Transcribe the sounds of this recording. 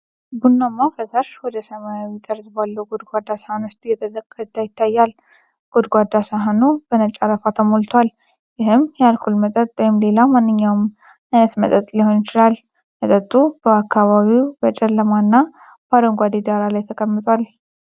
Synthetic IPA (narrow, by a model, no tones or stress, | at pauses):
bunːamːafəsaʃwɔd̪əsəmajawit̪ʼəɾsbalːəwɡod̪ɡʷad̪ːasəhanʊst̪ʼjɛt̪ʰəzəkʼːt̪ʰːajɪt̪ʰːajːal | ɡ̥od̪ɡʷad̪ːasəɦanub̥ənət͡ʃʼaɾəfat̪ʰəmolt̪ʰwal | jɪɦɨmjalkʰulmət̪ʼət̪ʼbəjɪmle̞lamanːɨɲːawm | ajnət̪mət̪ʼət̪ʼliho̞njɪt͡ʃɪlal | mət̪ʼət̪ʼːubəakːaβaβiwbət͡ʃʼɛlːəmanːa | bad̪əŋɡʷad̪ed̪aɾalajt̪ʰəkʼəmːɨt̪ʼwal